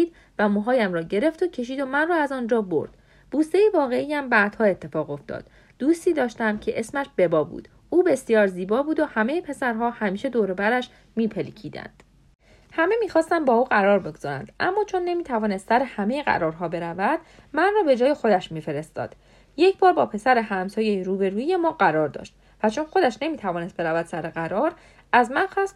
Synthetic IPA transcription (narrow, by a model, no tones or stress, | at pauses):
iːd̪̚ | væmoɦɒːjæmrɒːɟe̞ɾe̞ft̪ocʰe̞ʃ̬iːd̪o̞mænrɒːæzɒːnd͡ʒɒːbo̰ɾd̪̥ | b̥uːst̪ejevɒːɣe̞ijæmbæːd̪̥hɒːe̞t̪ʰːe̞fɒːɣo̞ft̪ʰɒ̰ːd̪̥ | d̪uːst̪iːd̪ɒːʃt̪æmcʰe̞ʔesmæʃbe̞bɒːbṵːd̪̥ | uːbe̞sjɒːɾziːbɒːbuːd̪o̞hæme̞jepʰe̞sæɾɦɒːhæmiːʃe̞d̪oːɾebæɾæʃ | miːpʰelḭcʰiːd̪æ̰nd̪̥ | hæme̞miːxɒːst̪æmbɒːuːɣæɾɒːɾbe̞ɡoz̥ɒːɾæ̰nd̪ʔæ̰mːɒːt͡ʃʰo̞nːe̞miːt̪ʰævɒːnest̪sæɾehæmejeɣæ̰ɾɒːɾɦɒːbe̞ɾævæd̪̥ | mænrɒːbe̞d͡ʒɒːje̞xo̞d̪æʃmiːfe̞ɾe̞st̪ɒ̰ːd̪̥ | je̞cʰbɒːɾbɒːpʰe̞sæɾehæmsɒːjejiɾuːbe̞ɾuːije̞mɒːɢæɾɒːɾd̪ɒ̰ːʃt̪ | væt͡ʃʰo̞nxo̞d̪æʃne̞miːt̪ʰævɒːnest̪be̞ɾævæd̪̥sæɾeɣæɾɒːɾ | æzmænxɒːst̪